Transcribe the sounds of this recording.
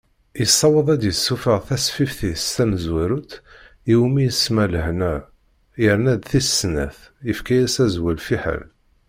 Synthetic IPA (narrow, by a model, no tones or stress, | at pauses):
jəsˤːɑwəðˤæd̪jəsːufəʁθæsfifθist̪æməzwæɾut̪ | iwmijəsmæləhnæ | jəɾnæd̪θisːnæ̰θ | əfkæjæsæzwælfiħa̰l